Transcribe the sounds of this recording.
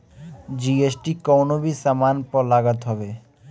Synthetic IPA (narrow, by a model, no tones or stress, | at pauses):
d͡ʑiesʈikɔwnobisamanpɔlaɡat̪ɦɔbe